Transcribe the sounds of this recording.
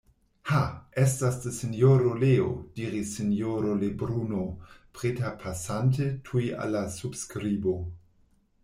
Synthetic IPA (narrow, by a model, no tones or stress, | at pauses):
haestasdesenjoɾoleo̰d̥iɾisːenjoɾolebɾunopʁetapʰasant̬etʰujʔa̰lːasubskɾibo̞